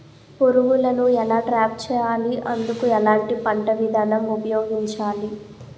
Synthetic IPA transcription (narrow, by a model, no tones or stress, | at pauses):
poɾuʋulɐnuɛlaːʈɾaːp̚t͡ʃɛːjaːliʔɐnd̪ukuɛlaːɳʈipɐɳʈɐʋid̪ʱaːnɐmupɐjoːɡiɲt͡ʃaːli